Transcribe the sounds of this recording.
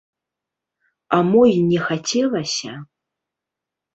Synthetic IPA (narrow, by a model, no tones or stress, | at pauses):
amɔjnʲɛxat͡sʲɛlˠɐsʲɐ